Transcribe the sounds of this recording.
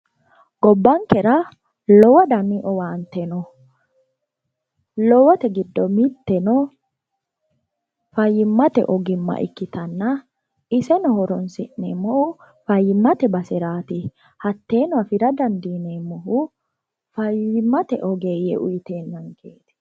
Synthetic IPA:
ɡ̥ɔbːɐŋkɛɾɐ | lɔwɐd̪ɐmiʔɔwaːnt̪ɛnɔ | lɔwɐt̪ɛɡɪd̪ːɔmɪt̪ːɛnɔ | fɐjːɪmːɐt̪ɛ̰ʔɔɡɪmːɐ̰ʔɪ̰kːɪt̪ɐnːɐ | ɪsɛnɔhɔɾɔnsɪʔnːɛ̰mɔhʊ | fɐjːɪmːɐt̪ɛbɐsɛɾaːt̪ɪ | hɐt̪ːe̞ːnɔɐfɪɾɐd̪ɐnd̪iːnemɔhʊ | fɐjɪmːɐt̪ɛʔɔɡeːjɛ̰ʔʊjɪt̪eːnːɐŋkʰeːt̪

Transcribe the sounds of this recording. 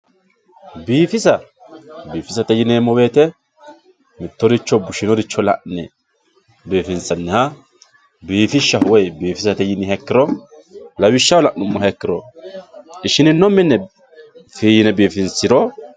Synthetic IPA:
biːfɪsɐ | biːfɪsɐt̪ɛjɪneːmːɔwe̞ːt̪ɛ | mɪt̪ːɔd̪ɪt͡ʃːɔbʊʃɪnɔd̪ɪt͡ʃːɔlɐ̰ʔnɛ | biːfɪnsɐnːɪhɐ | biːfɪʃːɐhwɔjbiːfɪsɐt̪ɛjɪnɪhɛkːɪɾɔ | lɐwɪʃːɐwɔlɐʔnʊmːɔɦɛkːɪɾɔ | ɪʃɪnɪnːɔmːɪnːɛ | fiːjnɛbiːfɪnsɪɾɔ

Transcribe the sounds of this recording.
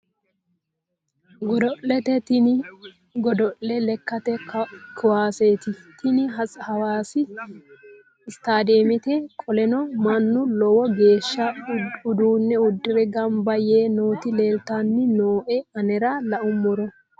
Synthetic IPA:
ɡɔd̪ɔʔlːɛt̪ɛt̪ɪnɪ | ɡɔd̪ɔʔlːɛlɛkːɐt̪ɛkkʰʊwaːseːt̪ɪt̪ʰɪnɪɦɐshɐwaːsɪ | st̪aːd̪eːmɪt̪ɛkʼɔlɛnɔmɐnːʊlɔwɔɡe̞ːʃːɐʊd̪uːnːɛʊd̪ːɪɾɛɡɐmbɐjeːnoːt̪ɪle̞ːlt̪anːɪnoːʔɛɐnɛɾɐlɐʔʊmːɔɾɔ

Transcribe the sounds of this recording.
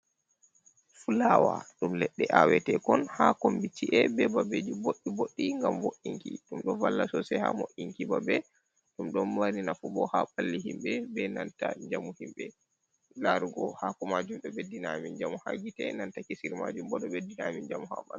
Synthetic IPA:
fulawa̰ɗumlɛɗːɛʔawɛtɛkɔnhakombitːiʔɛbɛbabed͡ʒiboɗːiboɗːiŋɡamwoʔiŋkḭɗumɗɔvalːasɔsɛha̰moʔiŋkibabɛ | ɗumɗɔnwaɾinafubɔhaɓalːihimɓɛbɛnantaɲd͡ʒamuhimɓɛ | laɾuɡɔhakɔmad͡ʒumɗɔbedːinamind͡ʒamuha̰ɡitɛ̰nantakisiɾma̰d͡ʒumbɔɗɔbedːinamind͡ʒamɔha̰ma̰n

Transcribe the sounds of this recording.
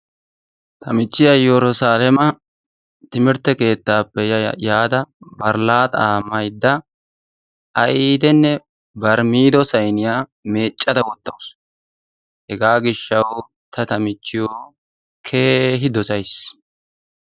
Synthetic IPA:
t̪ʰɐmɪt͡ʃːɪjɐjɛɾʊsaːlɛmɐ | t̪ɪmɪɾt̪ːɛke̞ːt̪ːaːpːɛjaːd̪ɐbɐɾlaːt̪aːmɐjd̪ːɐ | ɐjiːd̪ɛnːɛ | bɐɾmiːd̪ɔsɐjnɪjaːme̞ːt͡ʃʼːɐd̪ɐwɔt̪ːɐ̰ws | hɛɡaːɡɪʃːɐw | t̪ʰɐt̪ɐmɪt͡ʃːɪjoː | kʰeːɦɪd̪ɔsɐjs

